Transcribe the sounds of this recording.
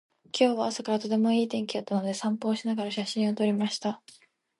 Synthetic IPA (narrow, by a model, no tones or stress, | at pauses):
kʲo̞ːβaːsakaɾat̪o̞t̪̬e̞mo̞iːt̪ẽ̞ŋkʲiot̪ːano̞d̪e̞sãmpo̞ːɕinaɡaɾaɕaɕĩɰ̃o̞t̪o̞ɾʲimaɕi̥t̪a